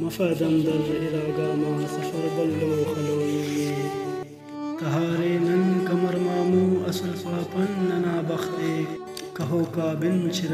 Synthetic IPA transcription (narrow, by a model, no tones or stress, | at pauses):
mɐfɐːd̪ɐmd̪ɐnd̪iɾaːɡaːmɐsɐfɐɾbɐlːoːxɐloːmije | t̪ɐɦaːɾeːnɐnkɐmɐɾmaːmuːɐsɐlpaːpɐnːɐnaːbɐxt̪eː | kɐɦoːkaːbint͡ɕʰiɾ